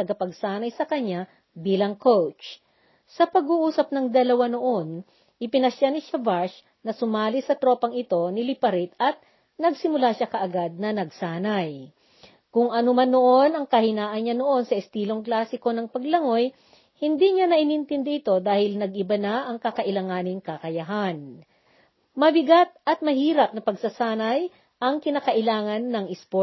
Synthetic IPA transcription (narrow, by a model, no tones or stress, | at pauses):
t̪ɐɡɐpɐɡ̚saːnɐjsɐkɐɲːa | biːlɐŋkowt͡ʃ | sɐpɐɡuːʔuːsɐp̚nɐŋd̪ɐlɐwano̞ʔon | ʔɪpɪnɐʃanɪʃavaɹʃ | nɐsʊmaːlɪsɐt̪ɾo̞ːpɐŋɪt̪o̞nɪlɪpɐɾɪt̪ɐt̪̚ | nɐɡsɪmʊlaʃakɐʔɐɡad̪̚nɐnɐɡsaːnɐj | kʊŋʔɐnomanːoʔo̞nɐŋkɐhɪnaːʔɐnɲano̞ʔo̞nsɐʔɪst̪iːlo̞ŋklaːsɪko̞nɐŋpɐɡlɐŋo̞j | hɪnd̪iɲanɐʔɪnɪnt̪ɪnd̪ɛʔɪt̪o̞d̪aːhɪlnɐɡʔɪbanaʔɐŋkɐkɐʔɪlɐŋaːnɪŋkɐkɐjɐɦan | mɐbɪɡat̪̚ʔɐt̪̚mɐhiːɾɐp̚nɐpɐɡsɐsaːnɐj | ʔɐŋkɪnaːkɐʔɪlaːŋɐnːɐŋʔɪspo